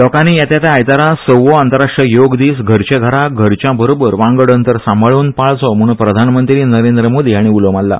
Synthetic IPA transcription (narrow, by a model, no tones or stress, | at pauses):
lɔkaniːjat̪jat̪aajt̪aɾasəʋoant̪əɾaʂʈɾəjoɡd̪iːsɡʱəɾt͡ɕeɡʱaɽaɡʱəɾt͡ɕjabəɾobəɾʋãŋɡəɽənt̪əɾsãmbəɭuːnpaɭt͡sɔm̤əɽũnpɾəd̪ʱanmənt̪ɾiːnəɾend̪ɾəmod̪ʱiaɽ̃iulomalːa̰